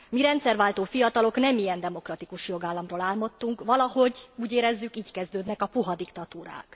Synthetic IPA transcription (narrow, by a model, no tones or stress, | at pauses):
miɾɛnt̪sɛrvaːlt̪oːfijɒt̪ɒlo̞knɛmijɛnd̪ɛmo̞krɒt̪ikuʃjo̞ɡaːlːɒmroːlaːlmo̞t̪ːuŋkvɒlɒho̞ɟuːɟeːɾɛzːykiːckɛzd̪øːd̪nɛkɒpuɦɒd̪ikt̪ɒt̪uːɾa̰ːk